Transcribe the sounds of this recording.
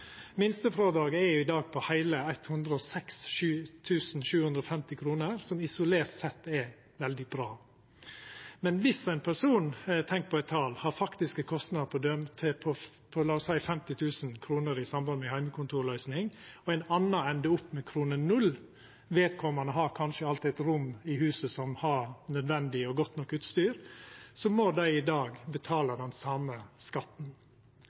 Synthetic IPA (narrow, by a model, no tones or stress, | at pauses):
mɪnst̪əfɾoːd̪ɑːɡəɛɾjʊɪd̪ɑːɡ̚pʰɔhæɪləæɪt̪hʉnd̪ɾəɔsɛksʃʉːt̪ʰʉːsn̩ʃʉːhʉnd̪ɾɔfɛmt̪ɪkʰɾuːnəɾsɔmɪsʊleːɾt̪sɛt̪ːɛ | ʋɛld̪ɪbɾɑː | mɛnʋɪsæɪnpʰæʂuːnt̪ʰɛŋk̚pʰɔɛt̪ʰːɑːlhɑɾfɑkt̪ɪskəkʰɔst̪nɑd̪pʰɔd̪œmt̪ʰpʰɔ | pʰɔlɑːʊsæɪfɛmt̪ɪt̪ʰʉːsn̩kʰɾuːnəɾɪsɑmbɑnmɛhæɪməkʰʊnt̪uːɾɭœʏsnɪŋɔæɪnɑnːɑɛnd̪əʊpːmɛkʰɾuːnənʉlː | ʋeːt̪̚kʰɔmɑnəɦɑɾkʰɑnʃəɑlt̪ɪɛt̪ɾʊmɪhʉːsəsɔmhɑɾnœd̪ʋɛnd̪ɪɔɡɔt̪nɔkːʉːt̪st̪yːɾsɔmod̪æɪɪd̪ɑːɡbət̪ʰɑːləd̪ɛnsɑməskɑt̪n̩